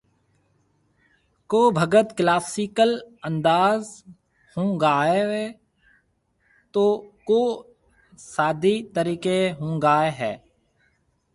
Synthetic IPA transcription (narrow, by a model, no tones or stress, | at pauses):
koːbʱəɡət̪klaːsiːkələ̃nd̪aːz | hõːɡaːeɦɛː | t̪oːkoː | saːd̪it̪əɾiːkeɦõːɡaːeɦɛː